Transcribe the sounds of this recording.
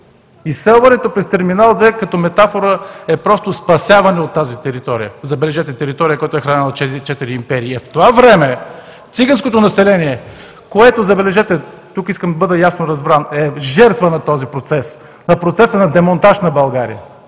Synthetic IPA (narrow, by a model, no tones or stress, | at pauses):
isɛlˠvɐnɛt̪opɾɛst̪ɛɾminalˠd̪vɛkɐt̪ɔmɛt̪afoɾəɛpɾɔst̪ospɐsʲjavɐnɛot̪ːazit̪ɛɾit̪ɔɾḭjəzɐbɛlɛʒɛt̪ɛt̪ɛɾit̪ɔɾiəkojat̪ʊɛxɾɐanɛlˠɐt͡ʃɛt͡ʃɛt̪iɾiːmpɛɾiːɛft̪ovavɾɛmɛ | t̪siɡɐnskot̪onɐsɛlɛniɛ | koɛt̪ozɐbɛlɛʒɛt̪ɛ | t̪ukiskəmd̪ɐbɤd̪əjasnoɾɐzbɾanɛʒɛɾt̪vənɐt̪ɔzipɾot̪sɛs | nɐpɾot̪sɛsənɐd̪ɛmont̪aʃnɐbɐlˠɡaɾḭə